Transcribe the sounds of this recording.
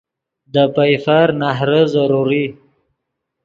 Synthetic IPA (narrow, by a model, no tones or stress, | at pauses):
d̪əpajfaɾnaɦɾəzaɾuɾi